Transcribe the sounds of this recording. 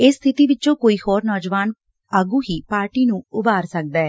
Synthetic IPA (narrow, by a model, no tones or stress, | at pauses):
ɪsːt̪ʰɪt̪iːʋɪt͡ʃõːkoːiːhoːɾnɔːd͡ʒʋaːn | əɡũːɦiːpaːɾʈiːnũːʊbaːɾsək̚d̪aːɛː